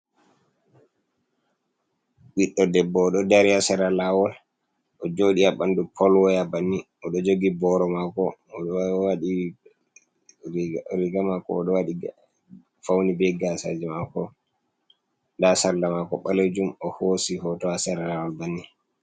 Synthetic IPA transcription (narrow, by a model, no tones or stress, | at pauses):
wiɗːɔdɛbːɔːɗɔdaɾiasɛɾalawɔl | ʔɔd͡ʒoɗiaɓandupʰɔlwɔjabanːiʔɔɗɔd͡ʒoɡibɔɾɔmakɔ | waɗi | ɾiɡamakɔ̰ːɗɔwaɗi | fawnibɛɡasad͡ʒɛmakɔ | dasallamakɔ̰ɓaled͡ʒumɔhosihɔtɔasɛɾalawɔlbanːi